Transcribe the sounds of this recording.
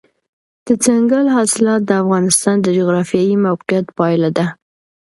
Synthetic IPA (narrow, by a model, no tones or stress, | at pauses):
d̪̥ət͡saŋɡalɦɑsɪlɑt̪̚d̪əafɣɑnɪst̪ɑnd̪əd͡ʒuɣɾɑfjɑjimawqijat̪pɑjlad̪a